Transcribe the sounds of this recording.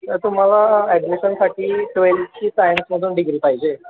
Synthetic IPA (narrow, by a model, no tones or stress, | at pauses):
ət̪um̤alaɛɖmiɕənsaʈʰiːʈʋelpt͡ɕiːsajnsməd̪ʱuːnɖiɡɾiːpaɦid͡ʑe